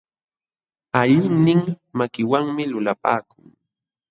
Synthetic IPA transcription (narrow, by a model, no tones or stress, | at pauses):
aʎɪŋnɪŋ | makɪwaŋmɪlʊlapa̰ːkʊŋ